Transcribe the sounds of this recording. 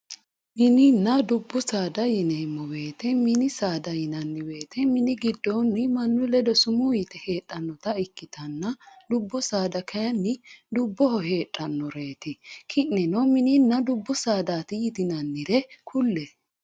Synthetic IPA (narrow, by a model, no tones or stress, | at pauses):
mɪnɪnːɐd̪ʊbːʊsaːd̪ɐjɪnemːɔwe̞ːt̪ɛmɪnɪsaːd̪ɐjɪnɐnːɪwe̞ːt̪ɛmɪnɪɡɪd̪ːɔnːɪmɐnːʊlɛd̪ɔsʊmujɪt̪ɛheːtʼːɐnːɔt̪ɐɪkːɪt̪ɐnːɐd̪ʊbːʊsaːd̪ɐkʰɐjɐnːɪd̪ʊbːɔhɔɦe̞ːtʼːɐnːɔɾe̞ːt̪ɛkʰɪʔːɛnɔmɪnɪnːɐd̪ʊbːʊsaːd̪aːt̪ɪjɪt̪ɪnɐnːɪɾɛkʰʊlːɛ